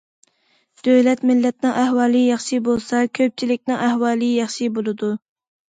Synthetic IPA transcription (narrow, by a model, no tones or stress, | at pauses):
d̪̥øwlɛt̪mɪlːɛt̪nɨŋæhwɑːlˠɨjɑχʃibolˠsɑkʲʰøp̚t͡ʃʰilɪk̚ʲnɪŋæhwɑːlˠɨjɑχʃibolˠɨd̪u